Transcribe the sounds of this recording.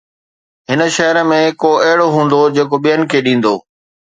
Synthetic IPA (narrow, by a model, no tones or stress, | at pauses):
ɦɪnə̆ʃɐɦəɾəmẽkoɐɦɪɽoɦũːnd̪od͡ʑeːkoɓijənɪ̆kʰeːɗĩːn̆d̪oː